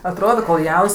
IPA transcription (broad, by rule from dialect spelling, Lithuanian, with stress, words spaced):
ɐtˈroːdoː koːlˠ ˈjɛʊns